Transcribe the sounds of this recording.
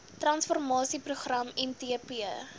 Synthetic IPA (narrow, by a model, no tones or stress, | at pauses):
trɐnsfɔrmɑːsipruχrɐmɛmtiəpiə